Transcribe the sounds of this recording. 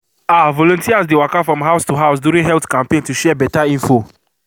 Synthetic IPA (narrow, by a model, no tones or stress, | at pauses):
avɔlɔ̃ntiazdewakafɹɔ̃mɦaʊstuɦaʊs̬duɹĩnɦɛltkãmpẽntuʃɛbɛtaĩnfo